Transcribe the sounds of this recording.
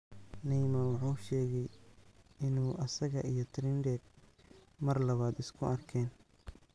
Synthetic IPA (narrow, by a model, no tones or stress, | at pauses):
nɛjmɐwɑħuːʃɛːɣɛj | ɪnuːʔɐsɐɣɐ̰ʔijɞt̪ʰɾɪndɛɡ | mɐrlɐβaːd̪ɪskʰʊɐrkʰɛːn